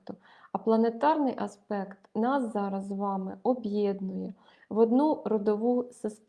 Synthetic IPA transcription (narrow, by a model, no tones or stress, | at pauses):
t̪ʊ | ɐplˠɐnet̪ɑrnɪjʔɐspɛkt̪nɑszɑɾɐzʋɑmɪɔbjɛd̪nʊjɛ | ʋɔd̪nurɔd̪ɔʋusɪst̪